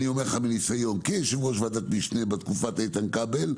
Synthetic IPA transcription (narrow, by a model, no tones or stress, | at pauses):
nio̞meʁχaminisajo̞nkeʃevʁoʃvad̪at̪miʃnebat̪kufat̪ait̪ankabel